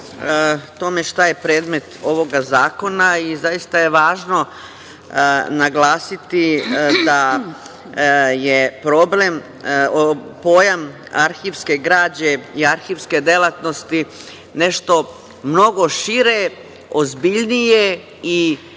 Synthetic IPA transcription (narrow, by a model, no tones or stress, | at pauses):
t̪o̞me̞ʃt̪aje̞pɾeːd̪me̞t̪o̞ʋo̞ɡazaːko̞naizajist̪ajeʋaːʒno̞ | naɡlaːsit̪id̪a | jepɾo̞ble̞m | opo̞ːjam | aɾxiʋske̞ɡɾaːd͡ʑe̞iaɾxiʋske̞d̪e̞lat̪no̞st̪i | ne̞ʃt̪o̞ | mno̞ɡo̞ʃiɾe | ozbiʎnije | i